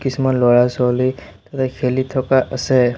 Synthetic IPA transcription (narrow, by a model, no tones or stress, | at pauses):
kisimɔnlɔɹasɔlij | t̪at̪ʰɛkʰelit̪ʰɔkaʔəsɛ